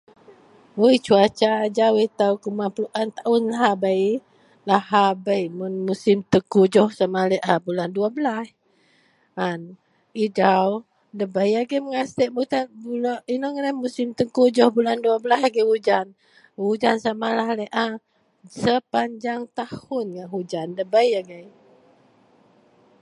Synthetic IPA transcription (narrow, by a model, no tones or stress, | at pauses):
əjt͡ʃuat͡ʃad͡ʒawejt̪awkumapluʔant̪aʔunlaɦabaj | lahabəjmunmusimt̪əkud͡ʒɔhsamaleʔabulanduabəlas | an | id͡ʒaw | dəbəjaɡəjməŋast̪ɛʔmut̪abulinɔŋənahmusimt̪əŋkud͡ʒɔhbulanduabəlasaɡəud͡ʒan | wud͡ʒansamalaɦləʔa | səpaɲd͡ʒaŋt̪ahʊnŋaɦud͡ʒandəbəjaɡəj